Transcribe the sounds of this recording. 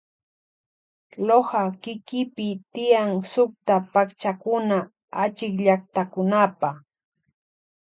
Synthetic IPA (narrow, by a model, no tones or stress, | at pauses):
lohakɪkɪpɪt̪ɪjaŋsʊk̚t̪apakt͡ʃakʊna | at͡ʃɪkʎaχt̪akʊnapah